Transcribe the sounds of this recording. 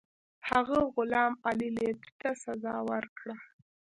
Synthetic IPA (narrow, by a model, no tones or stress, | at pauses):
haɣəɣʊlɑmalilett̪asazɑwəɾkɽa